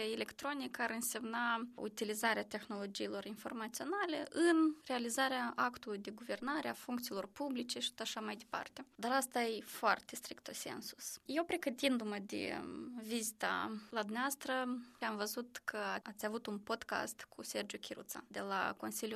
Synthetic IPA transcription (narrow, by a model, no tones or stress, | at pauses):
ele̞kt̪ɾo̞nikaɾɨnse̞mnaṵt̪ilizaɾeat̪e̞xnolo̞d͡ʒiːlo̞rinfo̞rmat̪sio̞nale̞ʔɨnre̞alizaɾeaakt̪ulujd̪e̞ɡuve̞rnaɾeafuŋkt̪siːlo̞rpublit͡ʃe̞ʃi̥t̪ot̪aʃamajd̪e̞pa̰rt̪e̞d̪aɾast̪ajefoart̪e̞st̪ɾikt̪ose̞̰nsu̥sjewpɾe̞ɡət̪ind̪uməd̪ḛvizit̪a̰lad̪umneavast̪ɾəamvəzut̪kʰəaat̪sʲavut̪unpo̞d̪ka̰st̪kʰusʲe̞rd͡ʒukʲʰiɾṵt̪sa̰d̪e̞la̰ko̞nsilʲju